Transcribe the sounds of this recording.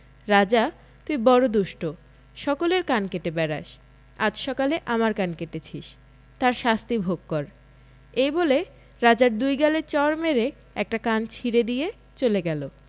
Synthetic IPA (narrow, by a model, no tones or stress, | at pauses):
ɾad͡ʑa | t̪uibɔɾod̪uʃʈo | ʃɔkoleɾkankeʈebɛɾa̰ʃ | ad͡ʑʃɔkaleʔamaɾkankeʈet͡ɕʰiʃ | t̪aɾʃast̪ibʱoɡ̚kɔɾ | ejbole | ɾad͡ʑaɾd̪ujɡalet͡ɕɔɾmeɾe | ɛk̚ʈakant͡ɕʰiɾed̪ije | t͡ɕoleɡɛlo